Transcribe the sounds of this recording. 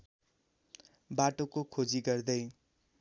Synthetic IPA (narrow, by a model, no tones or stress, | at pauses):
baʈokokʰod͡ziɡʌrd̪ʌj